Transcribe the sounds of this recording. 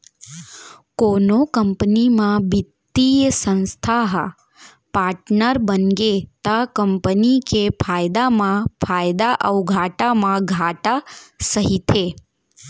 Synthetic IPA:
konokəmpnimãbit̪ːijəsə̃nst̪ʰaɦ | paːɾʈnəɾbənɡet̪akəmpənikepʰajd̪amãpʰajd̪aʔəʋɡʱaʈamãɡʱaʈasəɦit̪ʰe

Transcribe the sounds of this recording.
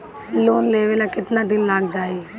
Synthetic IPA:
loːnleːʋelakɪt̪nad̪ɪnlaːɡd͡ʒaːe

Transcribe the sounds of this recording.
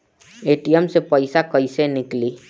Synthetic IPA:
eːʈijəmsepəɪsakəɪsenɪkliː

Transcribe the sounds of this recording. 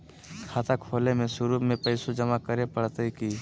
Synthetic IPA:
kʰaːt̪akʰoːlemẽsʊɾuːmẽpəɪsud͡ʒəmakəɾepəɽt̪əikiː

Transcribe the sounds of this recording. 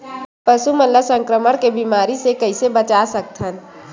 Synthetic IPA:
pəsumənləsə̃ŋkɾəməɽ̃kebiːmaːɾisekɐisebət͡ʃasək̚t̪ʰɦən

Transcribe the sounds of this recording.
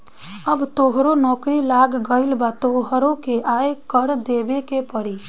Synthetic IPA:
əbt̪oːɦɾonɔːkɾilaːɡɡəɪlbat̪oːɦɾõkeʔaːekəɾd̪eːbekepəɽiː

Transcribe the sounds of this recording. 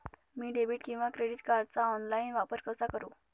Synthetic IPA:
miːɖebiːʈkĩw̃ʋakɾeɽiʈkaɾɖ̚t͡saɔnlainʋapəɾkəsakəɾu

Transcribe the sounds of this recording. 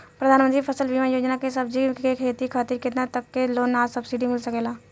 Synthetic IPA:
pɾɐd̪ʱaːnmə̃nt̪ɾipʰəsəlʋimajoːd͡ʒnakesɐbd͡ʒikekʰeːt̪ikʰaːt̪iɾkɪt̪nat̪ɐkːeloːnaːd͡ʒsɐbsiɖimɪlsəkeːlaː

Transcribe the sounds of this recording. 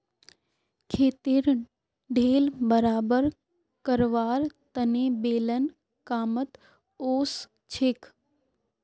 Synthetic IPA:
kʰeːt̪iɾ | ɖʱeːlbəɾaːbəɾ | kəɾʋaːɾt̪ənebeːlən | kaːmət̪ | oːs | t͡ʃʰek

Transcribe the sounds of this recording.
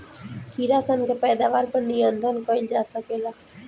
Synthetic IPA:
kʰiːɾaːsənkeːpɛːd̪aːʋaːɾpəɾnijənd̪ʱənkoːɪld͡ʒaːsəkeːlaː

